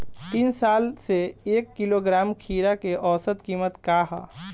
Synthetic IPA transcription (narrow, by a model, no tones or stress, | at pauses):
t̪iːnsaːlseeːkːiloɡɾaːmkʰiːɾakeʔɔːsət̪kiːmət̪kaɦa̰